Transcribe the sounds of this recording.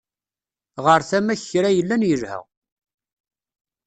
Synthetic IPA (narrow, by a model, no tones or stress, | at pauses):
ʁəɾθæmæçɾæjəlːænjəlhə̰ʁ